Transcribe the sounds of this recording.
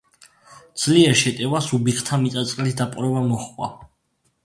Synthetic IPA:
d̪z̥liɛɾʃɛt̪ʼɛvasubiχt̪ʰamit̪ʼat̪sʼqʼlisd̪apʼɾɔbamɔχʼwa̰

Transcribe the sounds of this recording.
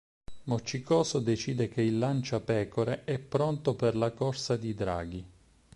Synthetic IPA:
mot͡ʃːikɔːsod̪et͡ʃiːd̪ekeilːant͡ʃapɛːkoɾeʔɛpːɾɔnt̪operlakɔrsad̪id̪ɾa̰ːɡi

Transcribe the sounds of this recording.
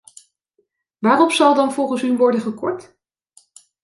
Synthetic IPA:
ʋaːrɔpsɑlˠdɑnvɔlˠχənsynʋɔɹdənχəkɔɹt

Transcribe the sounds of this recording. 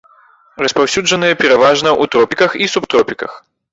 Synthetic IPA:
rɐspawsʲud͡ʐɐnɨjɐpʲɛɾavaʐnɐʔut̪ɾɔpʲikɐxisupt̪ɾɔpʲikɐ̰x

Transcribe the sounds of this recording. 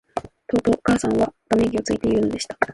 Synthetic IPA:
t̪o̞ːt̪o̞ːkaːsãɰ̃βat̪ameɡʲio̞t͡sɨit̪e̞iɾɯ̟no̞d̪e̞ɕi̥t̪ḁ

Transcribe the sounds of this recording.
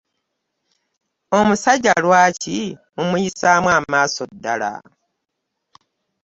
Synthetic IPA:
o̞musaɟːalwaːcimumujisaːmwaːmaːsodːa̰la̰

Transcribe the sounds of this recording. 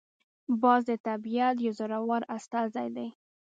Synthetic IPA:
bɑzd̪ət̪abijat̪̬jazʊɾawɑɾast̪ɑzajd̪aj

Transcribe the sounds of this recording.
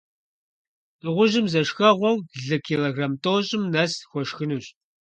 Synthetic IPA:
ɨʁʷʊʒɨmzɐʃxɐʁʷɔwɮɨkʰiloɡramtʰʼoːɕʼɪmnɐsxʷɔʃxɨnuːɕʼ

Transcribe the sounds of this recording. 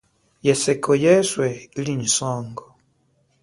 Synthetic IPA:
jɛsɛkʰɔjɛswɛiliɲisɔːŋɡɔ

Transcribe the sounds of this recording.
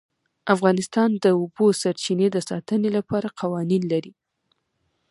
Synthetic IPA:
afɣɑnɪst̪ɑnd̪əʊbosaɾt͡ʃined̪əsɑt̪ənelapɑɾaqʰawɑninlaɾi

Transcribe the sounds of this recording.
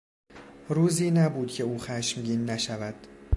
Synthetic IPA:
ɾuːziːnæbuːd̪̥cʰe̞uːxæːʃmɟiːnːæʃævæd̪̥

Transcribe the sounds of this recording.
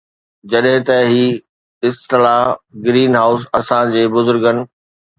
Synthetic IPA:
d͡ʑɐɗɦɪ̃t̪ɐɦiː | ɪst̪ɪlaːɡɾiːnɦaːʊs̬ɐsãd͡ʑeːbʊzʊɾɡənɪ̆

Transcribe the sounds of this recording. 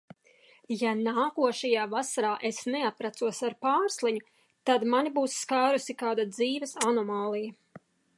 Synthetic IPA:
janaːkuɔʃɛjaːvasaɾaːʔesnɛapɾat̪suɔsaɾpaːɾslˠiɲʊ | t̪ad̪manibuːsːkaːɾusikaːd̪ad̪ziːvɛsanɔmaːlˠijɐ

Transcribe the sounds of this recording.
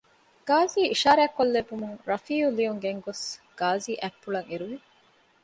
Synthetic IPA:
ɡ̥aːziːʔiʃaːɾæːkːolːebumuŋɾɐfiːulijuŋɡeŋɡosɡ̥aːziːʔæpːuɭɐŋeɾuʋi

